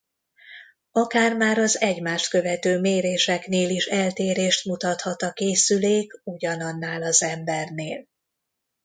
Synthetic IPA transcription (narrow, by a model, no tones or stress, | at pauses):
ɒkaːrmaːɾɒzɛɟmaːʃt̪kø̞vɛt̪øːmeːɾeːʃɛkneːliʃɛlt̪eːɾeːʃt̪mut̪ɒt̪hɒt̪ɒkeːsyleːkuɟɒnɒnːaːlɒzɛmbɛrneːl